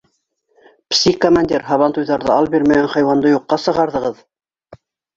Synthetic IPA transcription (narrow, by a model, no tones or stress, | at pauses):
psʲikomanʲd̪ʲiɾɦɑβɑnt̪ujðɑɾðɤ̰ɑlˠbiɾmæɡænχɑjwɑnd̪ɤjuqːɑsɤ̆ʁɑɾðɤ̆ʁɤð